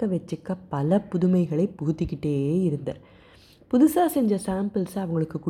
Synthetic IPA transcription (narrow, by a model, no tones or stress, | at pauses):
ɐʋɛt͡ʃːɯkːɐpɐlɐpʊðʊmɐɪɣɐɭɐɪpʊɣɯt̪ːɪkːɪʈːeːɪɾɯnd̪ɐ̰ | pʊðʊsaːsɛɲd͡ʒɐsaːmpɯlsɐʋɐŋɡɐɭɯkːɯkːʊ